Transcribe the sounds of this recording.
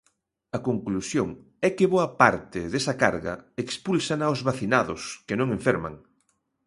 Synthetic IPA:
ɐkoŋklusjoŋ | ɛkɪβoɐpaɾt̪ɪðesɐkaɾɣɐ̰ekspulsanaozβaθinaðʊskenõŋẽɱfɛɾma̰ŋ

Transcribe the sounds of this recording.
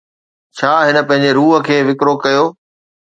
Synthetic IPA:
t͡ɕʰaːɦɪnə̆pɐ̃ɦɪ̃ɲ̆d͡ʑeɾuːɦə̆kʰeːʋɪkɾokɐjoː

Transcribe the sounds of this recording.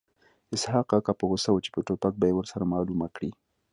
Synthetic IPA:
ɪshɑqɑqapəɣosawət͡ʃe̥pəʈopak̚bɑjewəɾsaɾamɑlumakɽi

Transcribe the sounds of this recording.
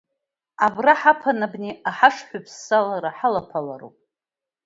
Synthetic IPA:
abraħapʰanabneaħaʂħʷʏpʰsːalaɾaħalapʰala̰ɾo̰pʼ

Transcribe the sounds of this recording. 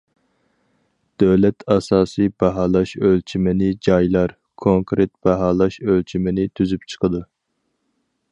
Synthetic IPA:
d̪̥øwlɛt̪ʰɑsɑːsɨjbɛɦɑːlˠɑʃølt͡ʃʰimɪnɪd͡ʒɑjlˠɑɾ | kʰoŋkɾet̪̚b̥ɛɦɑːlˠɑʃølt͡ʃʰimɪnɪt̪ʰyzypt͡ʃʰə̥qʰəd̪u

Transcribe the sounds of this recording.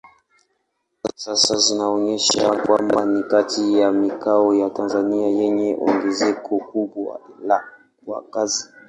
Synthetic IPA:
asasazinaɔɲɛʃakwambanikatʰijamikaɔjatanzaniajɛɲɛʔɔ̰ŋɡɛzɛkʰɔkuɓwa̰la | wa̰kazi

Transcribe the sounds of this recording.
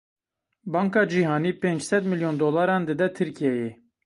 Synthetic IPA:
bɑːŋkɑːd͡ʒiːɦɑːniːpend͡ʒsɛd̪mɨljond̪oːlɑːɾɑːnd̪ɨd̪ɛt̪ʰɨɾkijɛje

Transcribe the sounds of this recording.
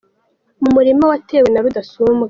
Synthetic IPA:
mumuɾimawate̞ːwenaɾudasumbɡe

